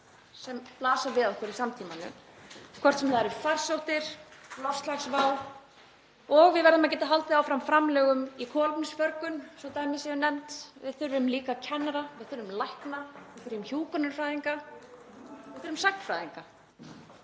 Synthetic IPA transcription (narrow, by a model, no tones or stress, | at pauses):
sɛmplaːsavɪðaɔhkʰvœɾisamt̪ʰiːmanʏ̰kʰvɔr̥t̪sɛmθaɛɾʏfarsowht̪ɪɾ̥lɔfst̪laxsvaːw | ɔɣvɪðvɛɾðʏmac̬ɛːt̪aɦalt̪ɪaːwfɾamfɾamlɛːɣʏmikʰɔːlpnsfœɾkʏnsɔt̪aːjmɪsjɛvɪnɛmt̪vɪðθʏɾvʏmliːkacʰɛnːaɾavɪðθʏɾvʏmlajhknavɪðθʏɾvʏmçuːkʏnʏɾ̥fɾaːjðiŋka | vɪðθʏɾðʏmsaknfɾajðiŋka